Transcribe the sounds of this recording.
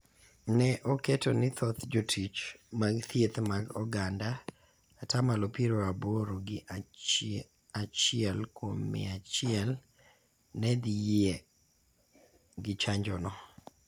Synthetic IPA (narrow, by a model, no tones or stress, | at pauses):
nɛʔɔkɛtɔnɪt̪ɔt̪d͡ʒotʰit͡ʃmaɡt̪ʰjet̪maɡɔɡandaː | tamalopiɾoaboɾoɡɪ | at͡ʃɪɛlkwomːɪ̰at͡ʃɪɛl | nɛd̪ije | ɡɪt͡ʃaɲd͡ʒɔnɔ